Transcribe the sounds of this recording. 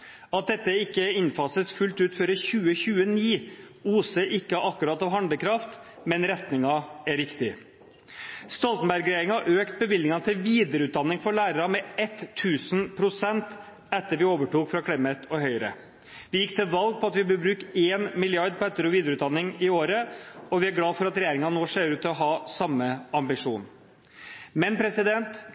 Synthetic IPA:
ɑt̪̚d̪ɛt̪ːəɪkːəɪnfɑsəsfʉlt̪ʉːt̪føːɾəçʉːəçʉːəniː | uːsəʔɪkːəʔɑkːʉɾɑːt̪ɑʋɦɑnd̪əkʰɾɑft̪ | mɛnɾɛt̪nɪŋɑæɾʋɪkt̪ɪ | st̪ɔlt̪n̩bæɾɡɾeɪŋhɑʔøːkt̪̚bəbɪlnɪŋɑnt̪ʰɪlʋiːd̪əɾʉːd̪ɑnːɪŋfɔɾɭæːɾəɾɑmɛɛt̪ʰːʉːsn̩pʰɾʊsɛnt̪ | ɛt̪ːəʋɪoːʋəʈuːkfɾɑkʰɽɪmːət̪ɔɦœʏɾə̰ | ʋɪjɪkːt̪ʰɪlʋɑlɡ̚pʰɔɑt̪ʋɪbəbɾʉːkeːnmɪlɪɑɾd̪̚pʰɔɛt̪ːəɾʊʋiːd̪ɾʉːt̪d̪ɑnːɪŋɪoːɾəɔʋɪæɾɡlɑːfɔɾɑt̪ɾɛjeːɾɪŋɑnnoːʂeːɾʉːt̪ʰːɪlɔɦɑːsɑmːəɑmbɪʂuːn | mɛnpʰɾɛsɪd̪ɛnt̪

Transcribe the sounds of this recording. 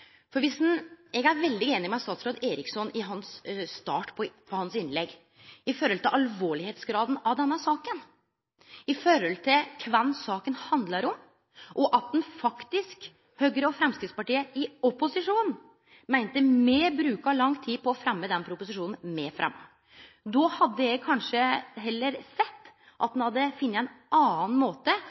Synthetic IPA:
fɔɾʋɪsnɛɡæɾʋɛld̪ɪeːnɪmɛɑt̪st̪ɑːt̪sɾoːd̪eːɾɪksɔnʔɪɦɑnsst̪ɑ̰ːʈpʰɔpʰɔhɑnsɪnlɛɡ | ɪfɔɾɔlt̪ɪlʔɑlʋoːɭɪheːt̪sɡɾɑːd̪n̩ɑʋd̪ɛnːəsɑːkən | ɪfɔɾɔlt̪ʰɪlkʰʋɛnːsɑːkənhɑnd̪ləɾʊm | ʔɔʔɑt̪̚d̪ɛnfɑkt̪ɪsk | høːɡəɾəɔfɾɛmskɾɪt̪spɑʈiːəɪɔpʊsɪʂuːn̩ | mæɪnt̪əmeːbɾʉːkɑlɑŋːt̪ʰiːpʰɔːfɾɛmːəd̪ɛnpʰɾʊpʊsɪʂuːnn̩meːfɾʔɛ̰mːə | d̪ɔhɑd̪ːəjæɡkʰɑnʂəɦɛlːəɾsɛt̪ː | ʔɑt̪̚d̪nhɑd̪ːəfɪnːəæɪnʔɑːn̩moːt̪ə

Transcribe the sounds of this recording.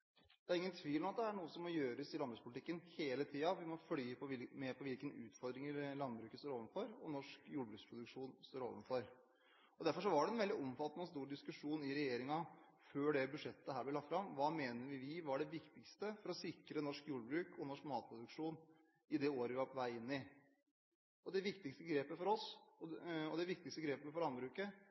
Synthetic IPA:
d̪ɛæɾɪŋːənt̪ʰʋiːlɔmɑt̪̚d̪ɛæɳuːəsɔmːɔjøːɾəsɪlɑnbɾʉːspʰʊlɪt̪ɪkːənheːlət̪ʰiːɑʋɪmɔflyːpʰɔʋɪlmɛpʰɔʋɪlkənʉ̰ːt̪fɔɾd̪ɾɪŋəɾlɑnd̪bɾʉːkəsoːɾoːʋənfɔɾɔnɔʂkjuːɖbɾʉːkspʰɾʊd̪ʉkʂuːnst̪oːɾo̰ːʋənfɔɾ | ɔd̪æɾfɔʂ̬ɔʋɑɖɛɛnʋɛld̪ɪɔmfɑt̪ːənəɔst̪uːɾɖɪskʉʂuːnɪɾɛjeːɾɪŋɑ | føːɖɛbʉʂɛt̪ːəhæːblɛlɑt̪fɾɑmʋɑːmeːnəʋɪʋɪʋɑɖɛʋɪkt̪ɪkst̪əfɔɾɔsɪkɾənɔʂkjuːɖəbɾʉːkʰɔnɔʂkmɑːt̪̚pʰɾʊd̪ʉkʂuːn | ɪd̪ɛoːɾəʋɪʋɑpʰɔʋæɪɪnːɪ | ɔd̪ɛʋɪkt̪ɪkst̪əɡɾeːpəfɔɾɔsɔɔd̪ɛʋɪkt̪ɪkst̪əɡɾeːpəfɔɭɑnbɾʉːkə

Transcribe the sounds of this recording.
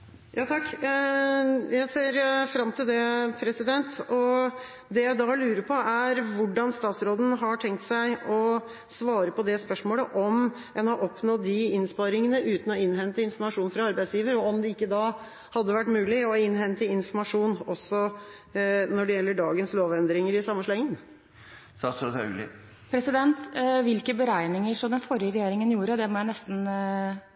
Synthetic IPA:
jɑːt̪ʰɑkː | jæɪseːɾfɾɑmːt̪ʰɪld̪ɛpʰɾɛsɪd̪ɛnt̪ɔ | d̪ɛjæɪd̪ɑlʉːɾəpʰɔæɾʋʊɖːɑnst̪ɑːt̪sɾoːd̪n̩ɦɑʈʰɛŋk̚t̪sæɪɔ | sʋɑːɾəpɔd̪ɛspœʂmoːləʔɔm | ɛnhɑɾʔɔpnɔt̪̚d̪ɪɪnspɑɾɪŋənəʔʉːt̪n̩ɔɪnːɦɛnt̪əɪnfɔmɑʂuːnfɾɑɑɾbæɪsjiːʋəɾɔɔmd̪ɛɪkːəd̪ɑ | hɑd̪ːəʋæʈːmʉːlɪɔɪnːhɛnt̪əɪnfɔɾmɑʂuːnɔsːɔ | nɔɖɛjɛlːəɖɑːɡənsloːʋɛnd̪ɾɪŋəɾɪsɑmːəʂɭɑːɪŋən | sɑsɔt̪ɑ̰lɪ̰ | pʰɾɛsɪd̪ɛnt̪ʋɪlkəbəɾæɪnɪŋəʂɔmd̪ɛnfɔɾɪəɾɛjeːɾɪŋənjuːɾəd̪ɛmɔjæɪnɛst̪n̩

